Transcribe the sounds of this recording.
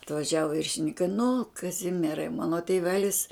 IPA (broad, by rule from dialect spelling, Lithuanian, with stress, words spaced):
ɐtʋɐˈʒʲæːʋoː ʋʲɪrʲʃʲɪnʲɪŋˈkɐɪ nʊ kɐˈzʲɪmʲiɛrɐɪ ˈmɑːnoː tʲeːˈʋʲæːlʲɪs